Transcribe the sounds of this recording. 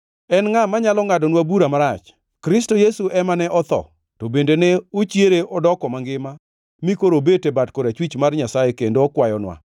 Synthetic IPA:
ɛnŋamaɲalɔŋadɔnwabuɾamaɾat͡ʃ | kɾɪstojesuʔɛmanɛʔɔt̪ɔ̰ | tobendeneot͡ʃjeɾeɔdɔkɔmaŋɡɪma | mikoɾobetebatkoɾat͡ʃwit͡ʃmarɲasajekendoːkwajɔnwa̰

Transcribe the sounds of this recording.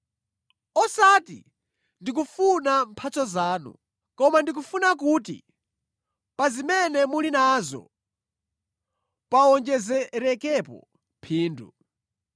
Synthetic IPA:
ɔsatḭ | ndik̬ufunampʰat͡sʰɔzaːnṵ | kɔmandik̬ufunakutḭ | pazimɛnɛmulinazɔ̰ | paɔnd͡ʒɛzɛɾɛkɛpɔ̰ | pʰiːndu

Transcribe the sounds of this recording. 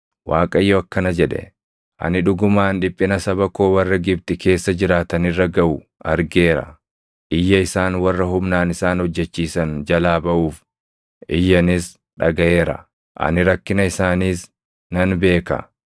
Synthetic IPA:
waːkʼɐjːɔɐkːɐnɐd͡ʒɛᶑɛ̰ | ʔɐ̰nɪᶑʊɡʊmaːnᶑɪpʼːɪnɐsɐbɐko̞ːwɐrːɐɡɪbt̪ɪkʰe̞ːsːɐd͡ʒɪɾaːt̪ɐnɪrːɐɡɐʔʊ | ɐɾɡe̞ːɾɐ̰ | ʔɪjːɐɪsaːnwɐrːɐɦʊmnaːnɪsaːnhɔd͡ʒːɛt͡ʃːiːsɐnd͡ʒɐlaːbɐʔuːf | ʔɪjːɐnɪs | ᶑɐɡɐʔe̞ːɾɐ̰ | ʔɐ̰nɪɾɐkːɪnɐɪsaːniːs | nɐnbe̞ːkɐ̰

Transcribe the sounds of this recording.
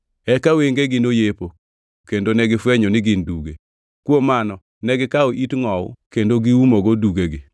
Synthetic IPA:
ɛkaweŋɡeɡɪnojepo | kendonɛɡɪfweɲonɪɡɪnduɡe | kwomanɔ | nɛɡɪkaoʔitŋɔw̰kendoɡɪumoɡoduɡeɡɪ

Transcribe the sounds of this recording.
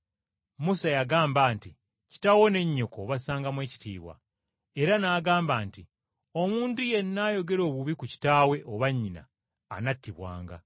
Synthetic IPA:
musajaɡaːmbaːnti | ci̥tawo̞ne̞ɲːo̞ko̞βasaːŋɡamwe̞ːci̥tḭːβwa̰ | e̞ɾanaːɡaːmbaːnti | o̞muːntuje̞nːaːjo̞ɡe̞ɾo̞ːβuβikuci̥taːwe̞ʔoβaɲːina̰ː | natːiβwa̰ːŋɡa̰

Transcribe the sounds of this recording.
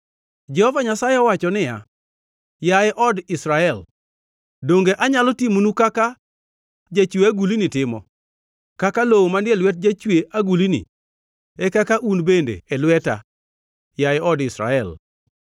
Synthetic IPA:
d͡ʒɛhɔvaɲasajɪɔwat͡ʃɔnɪja̰ | jaɪʔɔdɪsɾaɛl | doŋɡeʔaɲalɔtimunukaka | d͡ʒat͡ʃweaɡulinɪtɪmɔ̰ | kakalowomandɪelwɛt̚d͡ʒat͡ʃweʔaɡulinḭ | ɛkakaʔunbendḛɛlwɛta̰ | jaɪʔɔdɪsɾa̰ɛl

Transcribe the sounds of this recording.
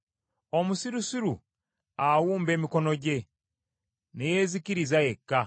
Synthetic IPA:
o̞musiɾusiɾu | awuːmbe̞ːmiko̞no̞ɟe̞ | neje̞ːziciɾizaje̞kːa

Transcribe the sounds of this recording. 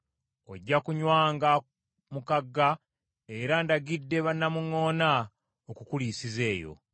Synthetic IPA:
o̞̰ɟːakuɲwaːŋɡa | mukaɡːa | e̞ɾandaɡidːe̞βanːamuŋo̞ːna | okukulisize̞ːjo̰

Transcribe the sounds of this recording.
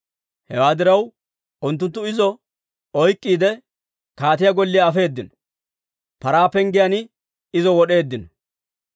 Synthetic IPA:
hɛ̰waːd̪ɪɾɐw | ʊnt̪̬ːʊnt̪ːʊɪzɔ | ɔjkʼːiːd̪ɛ | kaːt̪ɪjaɡɔlːɪjɐːfe̞ːd̪ːɪnɔ̥ | pɐɾaːpɛŋɡɪjanɪ | ɪzɔwɔɗe̞ːd̪ːɪnɔ̥

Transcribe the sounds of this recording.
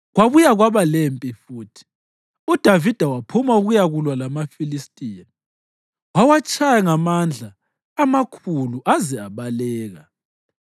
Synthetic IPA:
ɣwaβujaɣwaβalempʼifuːtʰi̥ | ud̥ʱavid̥ʱawapʰumauɣujaɣulwalamafilistʼijan | wawat͡ʃʼʰajaŋamand͡ɮʱaː | makʰuluʔazɛaβalɛːɣa

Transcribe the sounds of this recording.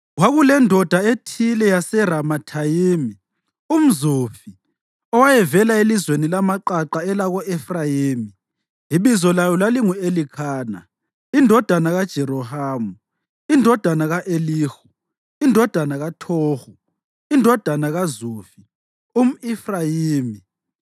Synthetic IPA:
waɣulɛndʱɔd̥ʱaetʰilɛjasɛɾamatʰajiːmi | um̩zufi | ɔwajɛvɛlaelizwenilamaǃaǃaɛlaɣɔʔɛfrajiːmi | iβizɔlajɔlaliŋuelikʰaːna̰ | indʱɔd̥ʱanaɣad̥ʒ̥ʱɛɾɔhaːmu | indʱɔd̥ʱanaɣaʔeliːxu | indʱɔd̥ʱanaɣatʰoːxu | indʱɔd̥ʱanaɣazuːfi | um̩ifrajiːmi

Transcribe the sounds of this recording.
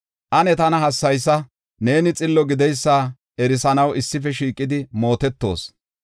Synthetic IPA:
ʔɐnɛt̪ɐnɐɦɐsːɐjs̬ːɐ | ne̞ːnɪt͡sʼɪlːɔɡɪd̪ɛjsːaː | ɛɾɪsɐnɐwɪsːɪfɛʃiːkʼːɪd̪ɪmo̞ːt̪ɛt̪ːo̞̰ːs

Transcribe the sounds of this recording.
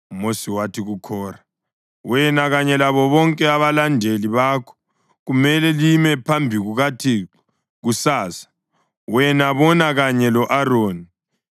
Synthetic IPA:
mosiwatʰiɣukʰɔːra | wɛnaɣaɲɛlaβɔβɔŋkʼɛaβalandʱeliβaːkʰɔ̥ | ɣumɛlɛlimɛpʰambʱiɣuɣatʰi | ɣusaːsḁ | wɛnaβɔnaɣaɲɛlɔʔaroːni

